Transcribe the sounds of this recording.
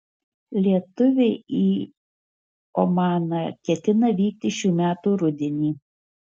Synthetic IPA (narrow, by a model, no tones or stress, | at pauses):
lʲiɛt̪ʊʋʲeiː | omɑːnɐkʲɛt̪ʲɪnɐʋʲiːk̚t̪ʲɪʃʲuːmʲæːt̪uːɾʊd̪ʲɛnʲiː